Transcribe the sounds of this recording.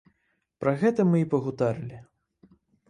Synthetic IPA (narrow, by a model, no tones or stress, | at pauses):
pɾɐɣɛt̪ɐmɨipɐɣut̪aɾɨlʲi